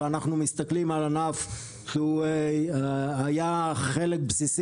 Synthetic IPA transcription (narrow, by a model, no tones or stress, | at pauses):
anaχnumist̪aklimalanaf | ʃu | ajaχelek̚bsis